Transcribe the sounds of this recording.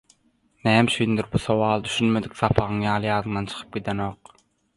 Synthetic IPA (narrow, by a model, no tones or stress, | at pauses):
næːmʃyjynd̪iɾbusowɑːlˠd̪yʃynmed̪ikθɑpʰɑʁɯŋjɑːlˠɯjɑːðɯŋd̪ɑnt͡ʃʰɯ̥qʰɯ̥p̚ɡʲid̪eno̞ːq